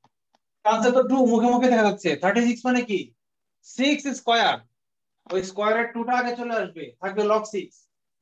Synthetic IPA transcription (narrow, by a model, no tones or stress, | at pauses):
kãsd͡ʑat̪oʈumukʰemukʰed̪ɛkʰad͡ʑatːɕʰet̪ʰaʈisiksmaneki | sikseskɔjaɾ | ojskɔjaɾeʈʈuʈaaɡet͡ɕoleaʃbet̪ʰak̚belɔksiks